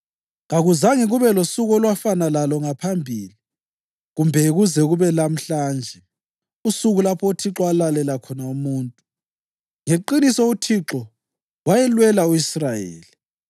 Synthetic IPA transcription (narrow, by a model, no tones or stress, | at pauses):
ŋaɣuzaŋiɣuβɛlosuɣɔlwafanalalɔŋapʰambʱiːli | ɣumbʱɛɣuzɛɣuβɛlam̩ɬand͡ʒʱɛ | usuɣulapʰɔutʰiǁɔalalɛlakʰɔnaumuːntʼu | ŋeǃinisɔutʰiǁɔ | wajɛlwɛlauisrajḛːli